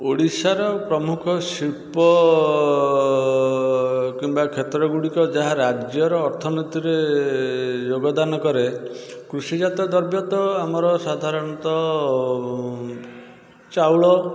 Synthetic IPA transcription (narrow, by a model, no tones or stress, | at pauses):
oɽisaɾɔpɾɔmukʰɔsiɭpɔ | kimbakʰet̪ɾɔɡuɽikɔd͡ʒaɦaɾad͡ʒjɔɾɔːɾt̪ʰɔnit̪iɾe | d͡ʒoɡɔd̪anɔkɔɾe | kɾusid͡ʒat̪ɔd̪ɔɾbjɔt̪ɔamɔɾɔsad̪ʱaɾɔñɔt̪ɔ | t͡ʃawɭɔ